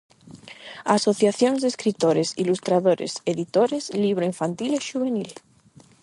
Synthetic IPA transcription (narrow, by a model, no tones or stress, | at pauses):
aso̞θjaθjonzðeskɾit̪oɾesilust̪ɾaðoɾʔḛseðit̪oɾezliβ̞ɾoiɱfant̪ileʃuβe̞nil